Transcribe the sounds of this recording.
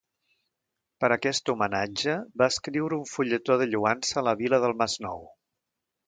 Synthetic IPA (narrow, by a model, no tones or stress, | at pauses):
pəɾəkɛst̪umənad͡ʒəbaəskɾiwɾəuɱfuʎət̪oðəʎuansələβiləðəlˠmaznɔ̰w